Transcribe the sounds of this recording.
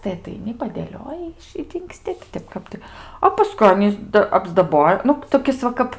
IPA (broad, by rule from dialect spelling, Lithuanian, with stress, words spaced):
tɐɪ ɐtɐɪˈnʲɪ pɐdʲeːˈlʲoːjɪ ɪʃ ɪ dʲɪŋkˈsʲtʲɪ tʲɪ ˈtʲɛp ˈkɐp tɐɪ ɐ pɐˈskʊɪ ˈɑːnʲiːs dɐ ɐbzdɐˈboːjɛ ˈnʊ toːˈkʲɪs ʋɐ ˈkɐp